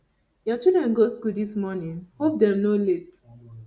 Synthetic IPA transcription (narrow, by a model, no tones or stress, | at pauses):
jɔt͡ʃidɹɛ̃nɡoskuldismɔnĩnhop̚dɛ̃mnolet